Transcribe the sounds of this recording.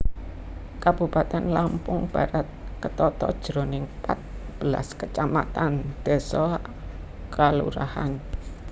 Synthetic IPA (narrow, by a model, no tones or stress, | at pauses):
kab̥upat̪ɛnlampʊŋb̥aɾat̪̚kət̪ɔt̪ɔd̥ʒ̥ɾonɪŋpat̪̚b̥əla̰skət͡ʃama̰t̪and̪̥ɛ̤sɔ | kalṵɾa̰ha̰n